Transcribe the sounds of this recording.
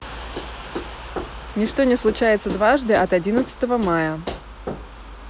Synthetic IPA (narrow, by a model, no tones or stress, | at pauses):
nʲɪʂt̪onʲɪslˠʊt͡ɕæjɪt̪səd̪vaʐd̪ɨʔɐt̪ɐdʲinət̪sə̥t̪əvəmajə